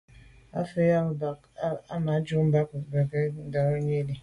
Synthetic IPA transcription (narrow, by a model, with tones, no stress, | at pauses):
a̰˦fe˦ja˦˨˦ | a˦ma˨˦d͡ʒu˦m̩˦ba˦kbe˨ɡe˦da˨ɾo˦ɲe˦le˨